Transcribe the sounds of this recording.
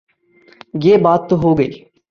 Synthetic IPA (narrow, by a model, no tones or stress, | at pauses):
jeːbaːt̪ːoɦoːɡəiː